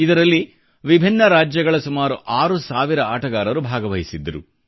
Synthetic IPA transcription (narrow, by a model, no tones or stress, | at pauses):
id̪ɐɾɐlːi | ʋibʱinːɐɾaːd͡ʒjɐɡɐɭɐsumaːɾuʔaːɾusaːʋiɾɐaːʈɐɡaːɾɐɾubʱaːɡɐʋɐjisid̪ːɐɾṵ